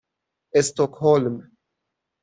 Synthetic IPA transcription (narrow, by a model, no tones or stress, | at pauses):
ɛst̪ɔkhɔlm